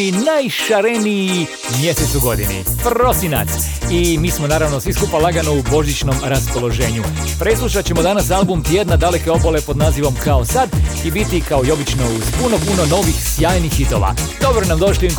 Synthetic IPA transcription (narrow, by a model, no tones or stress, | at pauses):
inajʃaɾeniji | mje̞set̪suɡo̞d̪inḭpro̞sina̰t̪s | imiːsmo̞naːɾaʋno̞sʋiskupalˠaɡanoubo̞ʒit͡ʃno̞mɾaspo̞lo̞ʒe̞ːɲu | pɾeslˠuʃat͡ɕe̞mo̞d̪anasalˠbumt̪ije̞d̪nad̪ale̞ke̞o̞bole̞po̞d̪naːziʋo̞mkao̞sad̪ibit̪ikao̞io̞bit͡ʃno̞uz̥puno̞puno̞no̞ʋixsjaːjnixid̪o̞̰ʋa̰d̪̥o̞bɾonamd̪o̞ʃli